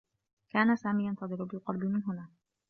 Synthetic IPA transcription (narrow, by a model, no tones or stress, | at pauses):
kaːnasaːmiːjant̪ɑðˤɨɾʊbɪlqɑɾˤbɪmɪnɦʊnaː